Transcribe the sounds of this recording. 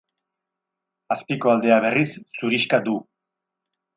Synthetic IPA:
aspiko̞ald̪e̞aβe̞risːuɾiʃkad̪u

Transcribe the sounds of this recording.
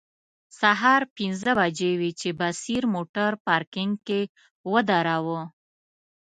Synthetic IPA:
saɦɑɾpinzəbad͡ʒewit͡ʃebasiɾmoʈaɾpɑɾkɪŋɡke | wəd̪aɾawə

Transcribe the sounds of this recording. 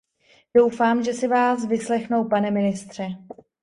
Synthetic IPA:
d̥o̞wfaːmʒɛsɪvaːsvɪslɛxno̞wpanɛmɪnɪst̪r̝̥ɛ

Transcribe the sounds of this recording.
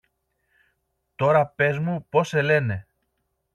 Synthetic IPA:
t̪o̞ɾɐpe̞zmupo̞se̞le̞ne̞

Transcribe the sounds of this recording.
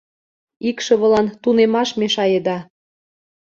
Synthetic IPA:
ikʃɤ̆βɤ̆lɑnt̪unemɑʃmeʃɑjed̪ɑ

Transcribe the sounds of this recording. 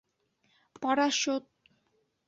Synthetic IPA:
pɔɾaʃot̪̚

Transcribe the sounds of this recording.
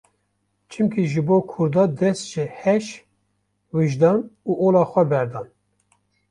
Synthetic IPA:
t͡ʃʰɨmkʰiʒɨboːkʰʊɾd̪ɑːd̪ɛst̪ʒ̥ɨhɛʃ | wɨʒd̪ɑːnuːʔoːlɑːxʷɛbɛɾd̪ɑːn

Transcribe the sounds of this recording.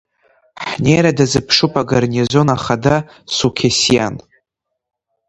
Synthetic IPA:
ħnejɾadazɨpʰʂupʰʼaɡarnʲizo̞naχada | sukʲʰasija̰n

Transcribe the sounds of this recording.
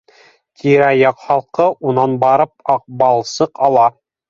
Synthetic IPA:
t̪ʲʰiɾæjɑqχɑlˠqɤʔunɑnbɑɾɤp̚ɑq̚bɑlˠsɤqɑlˠɑ

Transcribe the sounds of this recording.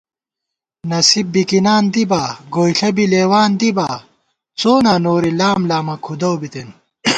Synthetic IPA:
nɐsib̚bikinaːnd̪ibaːɡoːjɬɐbileːwaːnd̪ibaː | t͡soːnaːnoːɾilaːmlaːmɐkʰud̪ɐwbit̪en

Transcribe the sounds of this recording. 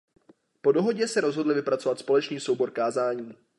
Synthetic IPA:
po̞do̞ɦo̞ɟɛsɛɾo̞zɦodlɪvɪpɾat͡so̞vat̪spo̞lɛt͡ʃniːso̞wbo̞ɾkaːzaːɲiː

